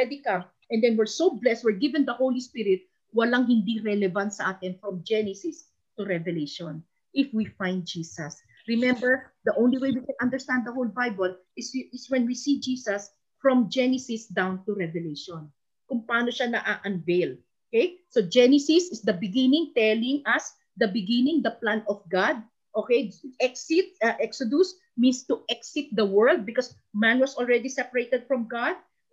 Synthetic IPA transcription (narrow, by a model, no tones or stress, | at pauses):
ɛd̪ikɐ̃m | ʔɛ̃nd̪ɛnwɪɹsowblɛst̪̚wɪɹɡivɛ̃nd̪ɐhowlispiɾɪt̪̚ | wɐlaŋɦɪnd̪iɾɛlɛvɐ̃nt̪̚sɐʔaːt̪ɪnfɹɔ̃md͡ʒɛnɛsɪs | t̪ʊɾɛvɛleʃɔ̃n | ʔɪfwifãj̃nd̪̚d͡ʒiːsɐs | ɹɪmɛ̃mbɛɹd̪ɐʔõwnliwejwikɛ̃nʔɐ̃nd̪ɛɹst̪and̪d̪ɐhowlbajbɐl | ɪsɪswɛ̃nwisid͡ʒiːsɐs | fɹɔ̃md͡ʒɛnɛsɪsd̪ãwnt̪uɹɛvɛlejʃɔ̃n | kʊŋpɐʔaːnoʃanɐʔaʔɐ̃nvejl | okejsod͡ʒɛnɛsɪsɪsd̪ɐbɪɡɪ̃nɪ̃ŋt̪ɛlɪ̃ŋɐs | d̪ɐbɪɡɪnɪ̃ŋd̪ɐplãnɔfɡad̪̚ | ʔokejʔɛksɪt̪̚ʔɛksod̪us | mĩnst̪uʔɛksɪt̪̚d̪ɐwɛ˞ld̪̚bɪkɔs | mæ̃nwɐsɔlɹɛd̪isɛpɐɹejt̪ɛd̪̚fɹɔ̃mɡad̪̚